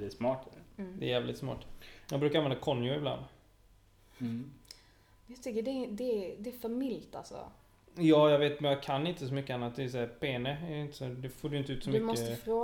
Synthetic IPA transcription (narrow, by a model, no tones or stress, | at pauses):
ɛːsmɑːʈd̪ɛːjæːvlɪ̰t̪smɑ̰ːʈjɑɡ̚bɾʉkaɾanvɛnd̪akʰɔnjʊɪbla̰nd̪ | jɑt̪ʰʏkːəɖɛd̪ɛd̪ɛːfœɾmɪlt̪a̰lsɔ̰ | jɑːjɑɡveːt̪mɛnjɑɡkʰanːɪnt̪əsɔmʏkːəanːat̪̚d̪ɛːsæːɾpʰeːnəæɾjɪnt̪ə̥sɔd̪ɛfoːɾɛjʏnt̪əʉt̪sɔmdʏmɔsət̪əfɾoː